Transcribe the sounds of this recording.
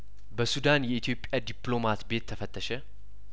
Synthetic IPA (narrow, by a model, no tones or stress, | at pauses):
bəsud̪anjɛit̪ʰijo̞pʼjad̪iplo̞mat̪be̞t̪ʰːəfət̪ʼːəʃɛ